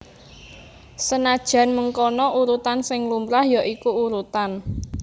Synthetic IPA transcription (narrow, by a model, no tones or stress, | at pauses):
sənad̥ʒ̥ä̤nməŋkɔnɔʔuɾut̪ansɪŋlumbɾahjaʔikuːɾut̪an